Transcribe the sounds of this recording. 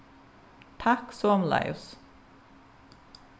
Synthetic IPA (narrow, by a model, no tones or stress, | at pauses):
t̪ʰɑksɔmlɑ̰ɪʊs